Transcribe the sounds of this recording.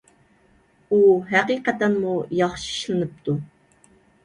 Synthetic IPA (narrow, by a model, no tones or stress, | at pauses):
uɦæqiqɛt̪ɛnmujɑχʃi̥ʃlˠɨnɨp̚t̪ʰu